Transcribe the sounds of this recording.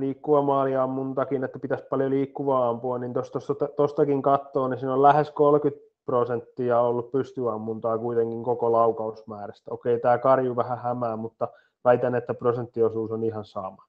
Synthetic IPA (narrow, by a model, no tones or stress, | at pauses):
liːkːuʋɑmɑːliɑmːunt̪ɑkinet̪ːæpit̪æspɑljoliːkːuʋɑːɑmpuɑnnint̪ost̪ost̪ɑt̪ɑt̪ost̪ɑkiŋkɑt̪ːoːnisinollæheskolkyt̪̚ | prosent̪ːiɑolːuppyst̪yɑmːunt̪ɑːkuit̪eŋkiŋkokolɑukɑusmæːræst̪æokeit̪æːkɑrjuʋæhæhæmæːmut̪ːɑ | ʋæit̪ænːet̪ːæprosent̪ːiosuːsonihɑnsɑ̰mɑ